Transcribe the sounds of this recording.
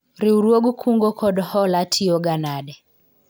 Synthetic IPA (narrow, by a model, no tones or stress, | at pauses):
ɾiuɾwoɡukʰuŋɡɔkʰɔɗɔhɔlatʰiɔɡanaɗɛ